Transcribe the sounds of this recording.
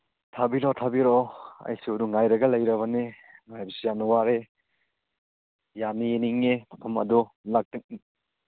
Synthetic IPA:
tʰabiɾɔtʰabiɾoɐ̰jsuduŋajɾɐɡɐlɐjɾɐβɐni | ŋajbisijanɐwaɾe | janijeniŋnemɐpʰɐmɐ̰du | lak̚tik̚

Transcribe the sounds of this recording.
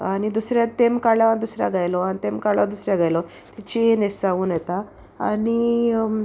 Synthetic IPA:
anid̪usɾjat̪emkaɭjaand̪usɾa̰aɡajlɔanit̪emkaɭad̪usɾjaaɡajlɔ | t̪it͡ɕinesaʋuːnjet̪aː | ni

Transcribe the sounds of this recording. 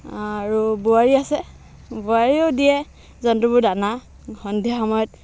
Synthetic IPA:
aɹubuaɹiasɛ | buaɹiodijɛ | zɔntɔbudana | xɔndʱjaxɔmɔjɔt̚

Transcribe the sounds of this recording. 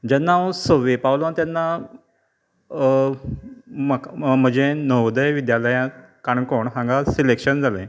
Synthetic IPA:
d͡ʑanːãsoʋepawlant̪janːa | məm̤ə̃d͡ʑenəʋd̪əjʋid̪jaləjã | kaɳkoɳɦãŋɡasilekɕənd͡zʱalḛ̃

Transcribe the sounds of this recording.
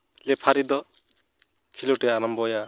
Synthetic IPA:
lɛpʰaɾid̪ɔ | kʰiloʈɛaɾambɔja

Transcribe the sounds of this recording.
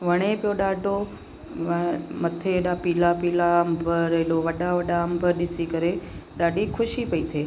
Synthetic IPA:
ʋəɽ̃epjoɗaɖo | mət̪ʰeɗapiːlapilaəmbʱəɾeɗoʋəɗaʋəɗaəmbʱəɾɗɪsikəɾeɗaːɖikʰʊʃipəit̪ʰeː

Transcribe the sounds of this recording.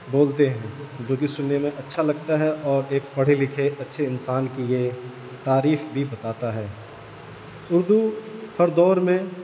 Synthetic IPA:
boːlt̪eɦɛ̃ːd͡ʒoɡisʊnːemẽʔɐtːʃʰalɐɡ̚t̪aɦɛʔɔːɾeːkpɐɽ̤ilɪkʰeʔɐtːʃʰeɪnsaːnkije | t̪aːɾiːfbʱibɐt̪aːt̪aɦɛː | ʊɾd̪uhɐɾd̪ɔːɾmẽ

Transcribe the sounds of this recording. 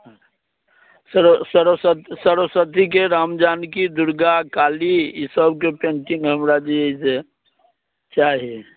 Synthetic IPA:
səɾsəɾsət̪səɾəsət̪ik̬eɾamd͡ʒaːnkid̪uɾɡakaːliisəbk̬epẽɳʈiŋɡɦəmɾad͡ʒieise | t͡ʃaɦie

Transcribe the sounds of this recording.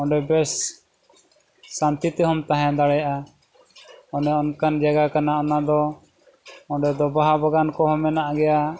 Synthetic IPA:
ɔɖɛbɛs | ant̪it̪ɛɦɔmt̪aɦɛ̃d̪aɽɛjaʔa | ɔnɛɔnkand͡ʒaɡakanaʔɔnad̪ɔ | ɔ̃ɖɛd̪ɔbaɦabaɡankɔɦɔmɛnaʔaɡɛja

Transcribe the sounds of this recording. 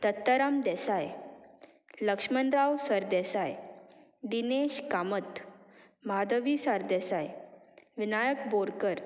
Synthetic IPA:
t̪ət̪ːəɾamd̪ɛsaj | ləkʂmənɾawsəɾd̪ɛsaj | ɖineɕkamət̪ | mad̪əʋisaɾd̪ɛsajʋinajəkboɾkəɾ

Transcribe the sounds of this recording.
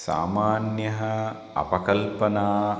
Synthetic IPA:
sa̰ːmaːnjɐɦɐ | ɐ̰pɐkɐlpɐnaː

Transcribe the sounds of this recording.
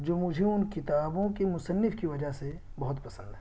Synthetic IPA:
d͡ʒoːmʊd͡ʒʱeʊnkɪt̪aːbõkemʊsənːɪfkiʋɐd͡ʒaɦse | bɐɦʊt̪pɐsə̃nd̪ɦɛː

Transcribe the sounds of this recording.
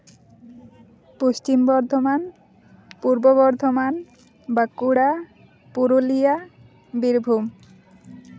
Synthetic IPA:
post͡ʃimbɔɾd̪ʱoman | puɾboβɔɾd̪ʱoman | bakuɽa | puɾulija | biɾbʱum

